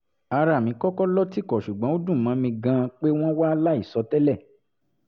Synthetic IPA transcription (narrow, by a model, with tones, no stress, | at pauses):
a˧ɾa˨mĩ˨˧˦kɔ˦kɔ˦lɔ˦ti˦˨kɔ˨ʃu˨ɡ͡bɔ̃˨˦o˦dũ˦˨mã˨˦mĩ˧ɡã˧k͡pe˦w̃ɔ̃˦wa˦la˦i˦˨sɔ˧˦tɛ˦lɛ˦˨